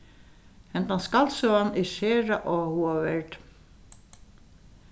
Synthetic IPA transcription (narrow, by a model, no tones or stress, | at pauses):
ɛnt̪anskalsɔanɛɾseːɾaʔɔhuavɛɹt̪